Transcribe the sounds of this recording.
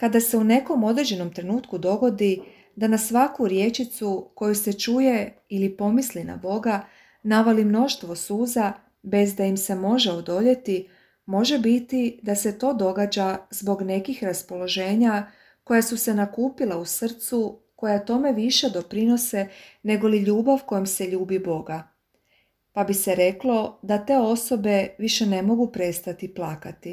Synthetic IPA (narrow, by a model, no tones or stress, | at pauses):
kad̪ase̞une̞ko̞mo̞d̪ɾe̞d͡ʑe̞no̞mt̪ɾe̞nuːt̪kud̪o̞ɡo̞d̪i | d̪anasʋakuɾje̞t͡ʃit̪suko̞juse̞t͡ʃuje̞ | ilipo̞mislina̰bo̞ɡa | naʋalimno̞ʃt̪ʋo̞suːza | be̞zd̪aimse̞mo̞ʒe̞o̞d̪o̞ʎe̞t̪i | mo̞ʒe̞bit̪id̪ase̞t̪o̞ːd̪o̞ɡaːd͡ʑazbo̞ɡne̞kixɾaspo̞lo̞ʒe̞ːɲa | ko̞jasuse̞nakuːpilausr̩t̪su | ko̞jat̪o̞me̞ʋiʃe̞d̪o̞pɾino̞se̞ne̞ɡo̞liʎuːbaʋko̞jemse̞ʎuːbibo̞ɡa | pabise̞ɾe̞klˠo̞d̪at̪e̞o̞so̞be̞ʋiʃe̞ne̞mo̞ɡupɾe̞st̪at̪iplakat̪i